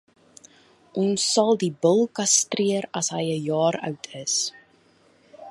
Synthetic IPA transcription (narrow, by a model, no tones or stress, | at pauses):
ʔɔnsːɐlˠdibəlˠkɐstriəɾɐsɦəjəjɑːɾœ̰wtʰəs